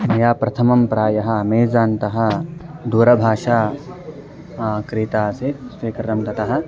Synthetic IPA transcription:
mɐjaːpɾɐt̪ʰɐmɐmpɾaːjɐɦɐ̆ɐmeːzaːnt̪ɐɦɐ̆d̪uːɾɐbʱaːʂaː | kɾiːt̪aːseːt̪sʋeːkɾɐɾɐmt̪ɐt̪ɐɦɐ̆

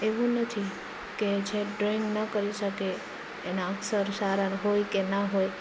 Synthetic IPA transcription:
eʋũnət̪ʰi | ked͡ʒeɖɾiŋɡnəkəɾiʃəkeː | naəksəɾsaɾənɦojkenaɦoj

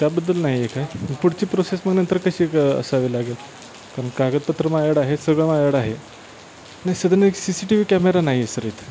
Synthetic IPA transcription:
t̪abəd̪ːəlnaɦiekajməɡpuɽt͡ɕiːpɾosesməɡnənt̪əɾkəɕiːkə̰saʋelaɡel | kaɾənkaɡət̪̚pət̪ɾəmajəɽaɦesəɡɭəmajəɽaɦe | najisəd̪ʱəneksisiʈiʋiːkæmeɾanaɦiesəɾeːt̪

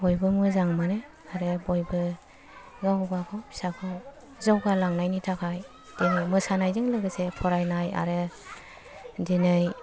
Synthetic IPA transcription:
bojbɯmɯzaŋmanɯ | aɾɯbojbɯ | ɡawɡakʰɔbi̥sakʰɔ | zɔwɡalaŋnajnitʰakʰaj | d̥inɯjmɯsanajzɯŋlɯɡɯsepʰɔɾajnaja̰ɾɯ | dinɯj

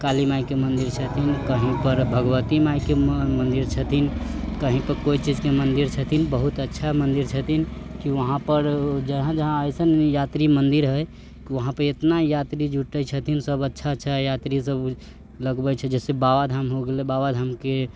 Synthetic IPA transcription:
kalimaikemənd̪iɾt͡ʃʰət̪ʰinkəɦĩpəɾbʱəɡʋət̪imaikemənd̪iɾt͡ʃʰət̪ʰinkəɦĩpəɾkoit͡ʃid͡ʒkemənd̪iɾt͡ʃʰət̪ʰinbəɦut̪ətːʃʰamənd̪iɾt͡ʃʰət̪ʰinkiʋəɦãpəɾd͡ʒəɦãd͡ʒəɦãəɪsənjat̪ɾimənd̪iɾɦə | kiʋəɦãpəɾet̪najat̪ɾid͡ʒʱuʈət͡ʃʰət̪ʰinsəbətːʃʰat͡ʃːʃʰɛjat̪ɾisəb | ləɡbət͡ʃʰɛd͡ʒɛsebaʋad̪ʱamɦoɡelebaʋad̪ʱamke

